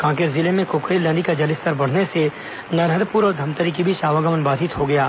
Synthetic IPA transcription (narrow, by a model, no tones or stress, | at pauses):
kãːkeɾzɪlemẽkoːkɾiːlə̃ːd̪ikad͡ʒɐlɪst̪əɾbɐɽ̤nese | nɐɾɦəd̪puɾɔːɾd̪ʱɐmt̪əɾikibʱiʃaːʋaɡəʋənbaːd̪ɪt̪ɦoɡɐjaː